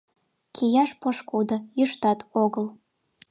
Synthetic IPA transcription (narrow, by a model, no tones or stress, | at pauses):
kʰijɑʃpoʃkud̪ojyʃt̪ɑt̪ʰoɣəl